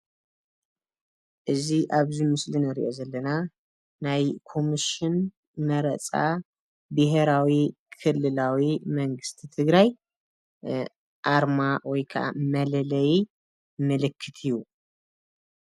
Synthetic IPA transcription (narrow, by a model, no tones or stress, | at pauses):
ʔɨziʔaβzimɨslinɨɾḭʔo̞zɐlːɐna | najkʰo̞miʃɪn | mɐɾɐt͡sʼa | bɨɦeɾawi | kʰɨlːɨlawimɐŋɡɨst̪ʰit̪ʰɨɡɾaj | ʔaɾmawɔjkʰɐʔa̰mɐlɐlɐj | mɨlɨkʰːɨt̪ʰiju